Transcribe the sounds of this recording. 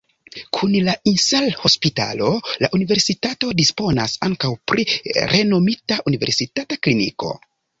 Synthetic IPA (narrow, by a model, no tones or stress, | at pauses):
kʰunlainsalho̞spita̰lo̞la̰ʔunive̞ɾsitato̞dispo̞nasaŋkawpɾiɾʔe̞no̞mitaʔunive̞̰ɾsitataklinḭko̞̰